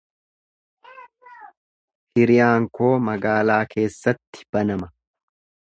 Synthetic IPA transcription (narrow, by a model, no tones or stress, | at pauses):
hɪɾɪjaːŋko̞ːmɐɡaːlaːkʰe̞ːsːɐt̪ːɪ̥b̥ɐnɐmɐ